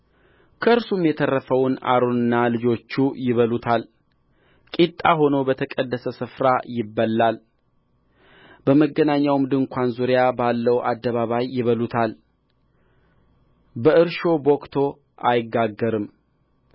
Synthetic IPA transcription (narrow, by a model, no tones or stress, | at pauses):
kʰəɨɾsumjɛt̪ʰərːəfəwna̰ɾonɨnːalɨd͡ʒo̞t͡ʃːujɪβəlut̪ʰal | kʼit̪ʼaɦo̞no̞bət̪ʰəkʼəd̪ːəsəsɨfɾajɪbːəlːal | bəməɡːənaɲːawmd̪ɨŋkʷanzuɾɪjabalːəwʔa̰d̪ːəβaβajːɪβəlut̪ʰal | bəɨɾʃo̞bokt̪ʰo̞ | ʔajɪɡːaɡːəɾɨm